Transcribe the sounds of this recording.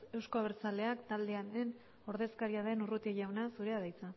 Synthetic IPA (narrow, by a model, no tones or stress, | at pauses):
e̞wsko̞aβ̞eɾt͡sale̞akt̪ald̪e̞anen | o̞ɾðe̞skaɾiaðe̞nurut̪ieʝawnasuɾe̞aðajt͡sa